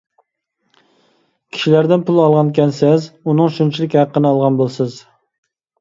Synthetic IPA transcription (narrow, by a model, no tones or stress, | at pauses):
kʲʰi̥ʃilæɾd̪ɪnpʰulˠɑlˠʁɑnkʲʰɛnsɛzunɨŋʃunt͡ʃʰilɪkʲhæqːənɨɑlˠʁɑnbolˠsɪz